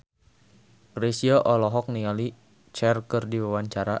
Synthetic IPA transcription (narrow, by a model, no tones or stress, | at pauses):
ɡɾesiɔʔɔlɔɦɔk̚niŋali | t͡ʃɛrkərdiwawaɲt͡ʃaɾa